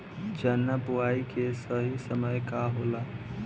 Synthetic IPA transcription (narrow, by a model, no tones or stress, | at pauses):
d͡ʒənːabuaːikesəɦisəməjkaɦoːla